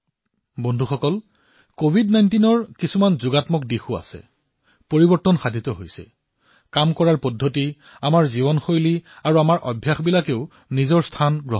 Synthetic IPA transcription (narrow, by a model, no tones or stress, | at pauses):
bɔndʱuxɔkɔl | kobʱidnajntinɔɹkisumanzʊɡatmɔk̚dexua̰sɛ̰ | poɹibɔɹtːɔnxadʱitɔɦojsɛ̰ | kamkɔɹaɹpɔdʱːoti | amaɹziβɔnxojliaɹuamaɹʔɔbʱjaxbilakeʊ | nizɔɹstʰanɡɹɔɦ